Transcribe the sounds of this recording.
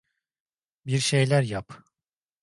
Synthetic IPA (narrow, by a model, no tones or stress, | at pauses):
biɾʃe̞jlʲæɾjap